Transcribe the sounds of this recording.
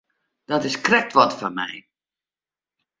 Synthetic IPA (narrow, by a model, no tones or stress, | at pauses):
d̥ɔtɪskrɛk̚tʋɔtfanmɛ̰j